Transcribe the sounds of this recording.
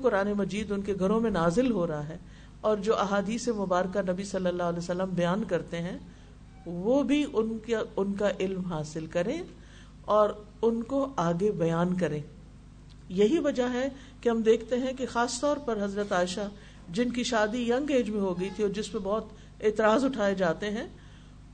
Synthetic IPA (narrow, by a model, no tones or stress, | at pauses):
kʊɾaːnemɐd͡ʒiːd̪ʊnkeɡʱɐɾõmẽnaːzɪlɦoːɾɐɦaɦɛː | ɔːɾd͡ʒoːʔɐɦaːd̪iːsemʊbaːɾkanɐbisɐlːəlːaːɦlɛːsɐlːəmbɐjaːnkɐɾt̪eɦɛ̃ | ʋoːbʱiʔʊnʊnkaʔɪlmɦaːsɪlkɐɾẽ | ɔːɾ | ʊnkoaːɡebɐjaːnkɐɾẽː | jɐɦiʋɐd͡ʒaɦɛ | keɦɐmd̪eːkʰt̪eɦɛ̃kexaːst̪ɔːɾpɐɾɦɐzɾət̪aːɪʃa | d͡ʒɪnkiʃaːd̪ijɐ̃ŋɡeːd͡ʒmẽɦoɡɐit̪ʰiɔːɾd͡ʒɪspẽbɔːt̪ | eːt̪ɪɾaːzʊʈʰaːed͡ʒaːt̪eɦɛ̃ː